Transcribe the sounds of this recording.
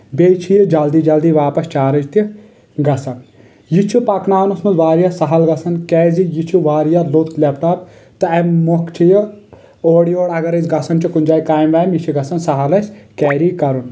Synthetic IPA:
beːt͡ʃʰijid͡ʒɐld̪iːd͡ʒɐld̪iːʋaːpɐst͡ʃaːɾɐd͡ʒt̪i | ɡɐsɐn | jit͡ʃʰupɐknaːwnusmɐzʋaːɾijasɐɦɐlɡɐsɐnkɛːzijit͡ʃʰuʋaːɾjalot̪klʲepʈaːp | t̪ɐɐmokʰt͡ʃʰiji | oːɽijoːɽɐɡɐɾɐsɡɐsɐnt͡ʃikunʲd͡ʒaːikaːjmʋaːmjit͡ʃʰiɡɐsɐnsɐɦɐlɐsʲkɛːɾikɐɾun

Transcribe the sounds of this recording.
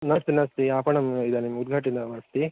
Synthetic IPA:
nɐst̪inɐst̪iaːpɐɳɐmid̪ɐnimːud̪̚ɡʱaːʈ̬ind̪ɐʋɐːst̪i

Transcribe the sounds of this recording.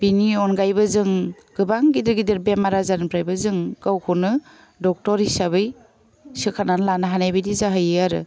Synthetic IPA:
biniɔnɡajbɯzɯŋ | ɡ̥ɯbaŋɡidɯɾɡidiɾbemaɾazanpʰɾajbɯzɯŋɡawkʰunɯ | dɔk̚tɔɾisabɯj | sɯkʰananlanaɦanajbajdizaɦɯjɯaɾɯ̰

